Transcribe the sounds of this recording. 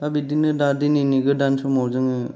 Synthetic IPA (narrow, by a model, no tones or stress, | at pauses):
abidinɯdadininiɡɯdansɔmɔwzɯŋɯ